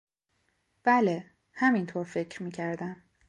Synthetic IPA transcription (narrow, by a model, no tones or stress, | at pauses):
b̥æle | hæmint̪ʰoːɾfe̞cʰɾmiːcʰæɾd̪æm